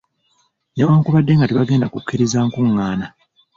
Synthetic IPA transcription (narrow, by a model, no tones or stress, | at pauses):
newaːŋkuβadːe̞ŋɡateβaɡe̞ːndakukːiɾizaːŋkuŋːaːna